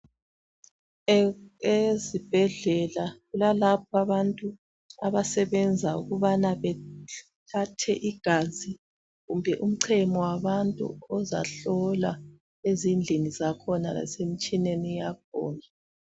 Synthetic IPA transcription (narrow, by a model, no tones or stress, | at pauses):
ezib̥ʱɛɮɛlaɣulalap̚ʰaβantʼu | aβasɛβɛnd͡zʱaṵɣuβanaβɛ | tʰatʰɛʔiɡ̥ʱazi | ɣumbʱɛʔum̩ǀʰɛmɔwaβantʼṵɔza̰ɬɔla | ezind͡ɮʱinizakʰɔna̰la̰sem̩t͡ʃʼinenijak̚ʰɔ̰ːna